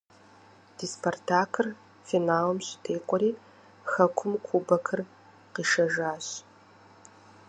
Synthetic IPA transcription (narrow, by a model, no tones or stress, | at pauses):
d̥iːspʰortʰaːkʰɨr | finaːlɐmɕtʰeːqʷɔɾiː | xɐkʷʰʊmkʷʰubɐkʰɨr | qiːʃɐʒaːɕ